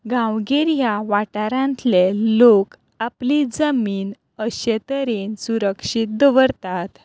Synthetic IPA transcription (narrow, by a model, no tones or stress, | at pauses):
ɡãwɡeɾjaʋaʈaɾãnt̪lelok | aplid͡zəmiːn | əɕet̪əɾensuɾəkʂit̪̚ːʋəɾt̪at̪